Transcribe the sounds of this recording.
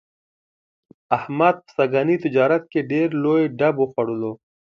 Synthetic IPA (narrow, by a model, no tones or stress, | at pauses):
ahmad̪̚pə̥saɡɑːnit̪ɪd͡ʒɑːɾat̪̚keɖeɾlojeɖaboxaɽulo